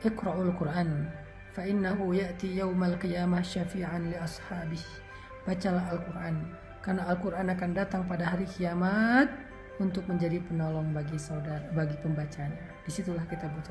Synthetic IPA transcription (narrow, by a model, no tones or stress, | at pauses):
ʔɪkɾaʔulkʊrʔan | faʔɪnːaɦujaʔt̪ijawmalkijamahʃafiʕanliɑshaːbɪh | b̥at͡ʃalaɦalkurʔan | karnaːlkuɾʔanakandat̪aŋpadaɦaɾikiamat̪̚ | unt̪ʊk̚məɲd͡ʒadipənolɔŋbaɡisadabaɡipəmbat͡ʃaɲa | d̥isit̪ulahkit̪abut̪a